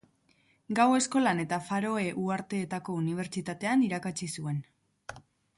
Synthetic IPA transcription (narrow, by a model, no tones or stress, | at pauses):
ɡawe̞sko̞lane̞t̪afaɾo̞e̞ʔuaɾt̪e̞ːt̪ako̞uniβ̞e̞ɾt͡ʃit̪at̪e̞aniɾakat͡ʃisue̞n